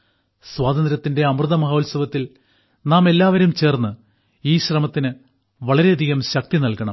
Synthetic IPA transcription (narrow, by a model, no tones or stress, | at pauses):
swaːd̪ɐnd̪ɾɐt̪ːinde̞ɐmrɨðɐmɐɦoːlsɐʋɐt̪ːil | naːme̞lːaːʋɐɾumt͡ɕe̞ːrnːɨ | iːɕrɐmɐt̪ːinɨ | ʋɐɭɐɾe̞ɐd̪ʱiɣɐmɕɐk̚t̪inɐlkɐɳɐ̰m